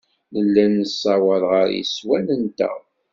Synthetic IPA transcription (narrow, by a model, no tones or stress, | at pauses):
ləlːænəsːɑwəlʁəɾjḭswælənt̪æ̰